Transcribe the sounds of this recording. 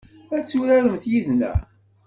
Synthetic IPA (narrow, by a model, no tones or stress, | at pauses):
æt͡sːuɾæɾəmθjiðnæ̰